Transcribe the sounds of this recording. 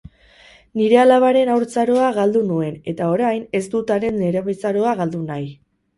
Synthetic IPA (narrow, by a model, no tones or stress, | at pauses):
niɾe̞alaβ̞aɾe̞nawɾt͡saɾo̞aɣald̪unue̞ne̞t̪ao̞ɾajne̞zd̪ut̪aɾe̞neɾeβajt͡saɾo̞aɣald̪unaj